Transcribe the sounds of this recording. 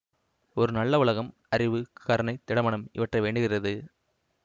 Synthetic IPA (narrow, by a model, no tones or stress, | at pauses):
ɔɾɯnɐlːɐʋʊɭɐɣɐm | ɐrɪʋɯkɐɾɐɳɐɪt̪ːɪɽɐmɐɳɐmɪ̰ʋɐʈrɐʋeːɳɖɯɣɪrɐðɯ